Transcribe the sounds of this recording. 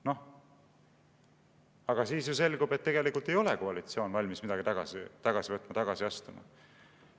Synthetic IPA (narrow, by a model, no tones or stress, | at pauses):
no̞ | ɑɡ̥ɑsiːsjuse̞lɡube̞t̪ːeɡe̞likult̪ːˑe̞jo̞lekoɑlit̪sjo̞ːnvɑlʲmismid̪ɑɡ̥it̪ɑɡ̥ɑ̰sit̪ɑɡ̥ɑsivɤt̪ːˑmɑt̪ɑɡ̥ɑsiɑst̪umɑ̰